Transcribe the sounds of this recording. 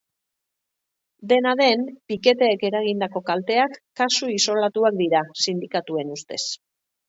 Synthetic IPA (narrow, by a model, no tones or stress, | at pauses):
d̪e̞naðe̞mpike̞t̪e̞ːke̞ɾaɣ̞ind̪ako̞kalt̪e̞akːasuiso̞lat̪uak̚d̪iɾasind̪ikat̪ue̞nust̪e̞s